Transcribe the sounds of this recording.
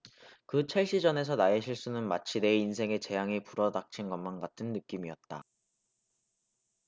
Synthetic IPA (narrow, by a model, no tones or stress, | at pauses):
kɯt͡ɕʰaɭɕ͈id͡ʑʌne̞s̬ʰʌnaeɕʰiɭs͈unɯnmat͡ɕʰine̞insʰe̞ŋe̞t͡ɕe̞jaŋipuɾʌdak̚t͡ɕʰinɡʌnmanɡatʰɯnːɯk͈imiʌt̚t͈a